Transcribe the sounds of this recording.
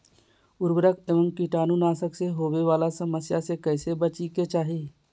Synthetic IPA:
ʊɾbɾəkeːʋə̃ŋkiʈaːnunaːsəkseɦoːweʋaːlasəməsjasekɛːsebət͡ʃiket͡ʃaːɦiː

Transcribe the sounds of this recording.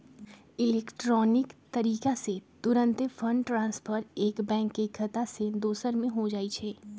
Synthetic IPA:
ɪlɛːkʈɾɔːnɪkt̪ɐɾiːkaset̪ʊɾə̃nt̪pʰəɳɖʈɾãːnspʰəɾeːkbɛ̃ːŋkːeɡʰʱɐt̪ased̪oːsəɾmẽɦod͡ʒaːit͡ʃʰɛː

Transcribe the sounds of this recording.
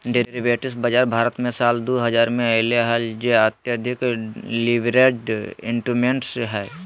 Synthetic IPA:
ɖeɾibeːʈɪsbəd͡ʒaːɾbʱaːɾət̪mẽsaːld̪oɦɐzaːɾmẽəɪleɦəld͡ʒeət̪jəd̪ʱɪkliʋɾeɖɪ̃ɳʈumeɳʈsɦɛː

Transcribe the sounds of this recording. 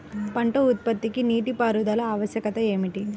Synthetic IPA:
pɐɳʈɐut̪̚pɐt̪ːikiniːʈipaːɾud̪ɐlɐaːʋɐʃjɐkɐt̪ɐeːmiʈi

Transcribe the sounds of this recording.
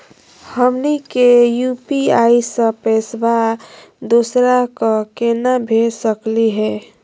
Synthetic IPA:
həmnikejupiaisə̃pesba | d̪osɾakəkenabʱesəkliɦɛ

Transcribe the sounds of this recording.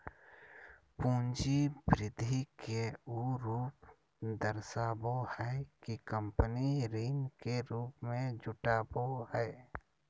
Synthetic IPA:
pũːnd͡ʒibɾɪd̪ʱːikeuɾuːp | d̪əɾsaːbohɛkikə̃mpəniɾiːnkeɾuːpmẽd͡ʒʊʈaːbohɛː

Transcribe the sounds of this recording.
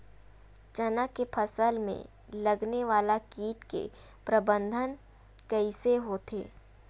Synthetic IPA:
t͡ʃɐnakepʰɐsəlmḛ̃ | lɐɡneʋaːlakiːʈkḛ | pɾɐbə̃nd̪ʱən | kəiseɦot̪ʰḛː

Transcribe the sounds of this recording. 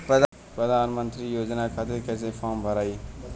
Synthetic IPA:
pɐd̪ | pɾɐd̪aːnmɐnt̪ɾijoːd͡ʒnaːkʰat̪ikɐs̬ẽfaːmbʱɐɾaːi

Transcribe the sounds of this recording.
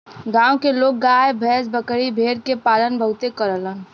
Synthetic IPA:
ɡãːõkeloːɡ̚ɡaːebʱɛːsbəkɽibʱeːɾkepaːlənbʱəɦʊt̪ekəɾələn

